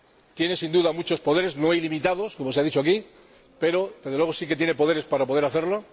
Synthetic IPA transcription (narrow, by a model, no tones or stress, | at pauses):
t̪je̞ne̞sind̪uðamut͡ʃo̞spo̞ð̞e̞ɾe̞zno̞ajlimit̪aðo̞sko̞moeaðit͡ʃoaki | pe̞ɾo̞dezðlwe̞ɣosike̞t̪je̞ne̞po̞ð̞e̞ɾe̞spaɾapoðe̞ɾaθe̞ɾlo̞